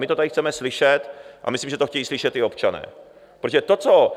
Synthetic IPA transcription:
mɪt̪oadɪxt͡sɛmɛslɪʃɛt̪ʔa̰mɪslimʒɛt̪oxcɛjiːslɪʃɛt̪ɪopt͡ʃanɛ̰ː | pɾoʒɛt̪o̞t͡so

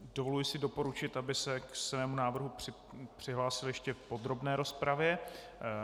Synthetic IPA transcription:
dovolujɪsɪdo̞po̞ɾut͡ʃɪt̪abɪsɛksmɛːmunaːvr̩ɦurɪ | pr̝̥ɪɦlaːsɪljɛʃcɛfpo̞d̪ɾo̞bnɛːɾo̞spɾavjɛ

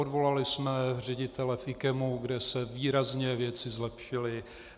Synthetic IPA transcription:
odvo̞lalɪsmɛr̝ɛɟɪt̪ɛlɛfʔɪkɛmuɡdɛsɛviːɾazɲɛvjɛt͡sɪzlɛpʃɪlɪ

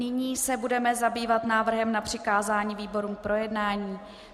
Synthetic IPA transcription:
nɪɲiːsɛbudɛmɛzabiːvat̪naːvr̩ɦɛmnapr̝̥ɪkaːzaːɲiːviːbo̞ɾuːmpɾo̞jɛdnaːɲiː

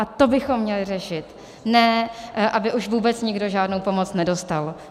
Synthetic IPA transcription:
ʔat̪o̞bɪxo̞mːɲɛlɪrɛʃɪt̪ | nɛːʔabɪʔuʃvuːbɛt͡sɲɪɡdo̞ʒaːdnowpo̞mo̞t͡snɛdo̞st̪al

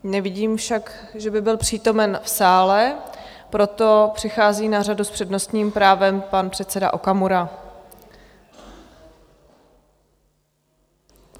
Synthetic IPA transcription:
nɛvɪɟiːmfʃak | ʒɛbɪbɪlpr̝̥iːt̪o̞mɛnfsaːlɛ | pɾo̞t̪o̞pr̥ɪxaːziːnaraduspr̥ɛdno̞st̪ɲiːmpɾaːvɛmpanpr̥ɛt̪t͡sɛda̰ʔokamuɾa

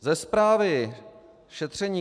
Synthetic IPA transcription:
zɛspɾaːvɪ | ʃɛt̪r̝̥ɛɲiː

